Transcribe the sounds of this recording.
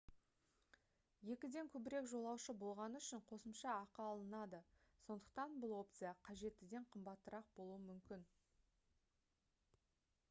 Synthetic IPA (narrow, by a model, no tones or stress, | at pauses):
je̞kʲɪd̪e̞ŋkʲʰɵbɪɾe̞kʒo̞lˠɑwʃəbo̞lˠʁɑnəʏʃɪɴqʰo̞səmʃɑːqɑːlˠənɑd̪əso̞nd̪əq̚t̪ɑnbʊlˠo̞p̚t̪sɨjɑqʰɑʒe̞t̪ːɪd̪e̞ɴqʰəmbɑt̪ːəɾɑq̚bo̞lˠuəmʏmkʲɪn